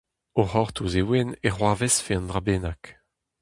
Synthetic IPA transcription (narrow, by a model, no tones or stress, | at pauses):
oʁɔʁt̪ʰuzewɛneʁwaːvɛsfeɑ̃nd̪ʁabeːnak